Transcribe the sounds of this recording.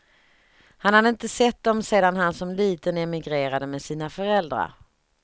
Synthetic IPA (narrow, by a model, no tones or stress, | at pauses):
hanhad̪əɪnt̪əsɛt̪̚ːd̪ɔmseːd̪anɦansɔmliːt̪ənɛmɪɡɾeːɾad̪əmɛsiːnafœɾɛld̪ɾa̰ɾ